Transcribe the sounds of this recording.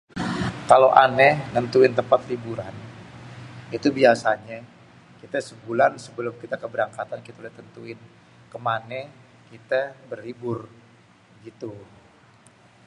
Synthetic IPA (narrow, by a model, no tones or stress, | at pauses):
kaloʔanɛnənt̪uɪnt̪əmpat̪libuɾan | it̪ubiasaɲa | kit̪asəbulansəbəlʊmkit̪akəbəɾaŋkat̪ankit̪aolɛht̪ənt̪uɪn | kəmanɛ | kit̪abəribʊr | ɡit̪u